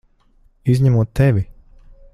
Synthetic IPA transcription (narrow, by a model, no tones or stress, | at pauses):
izʲɲæmuɔt̪ːɛvʲi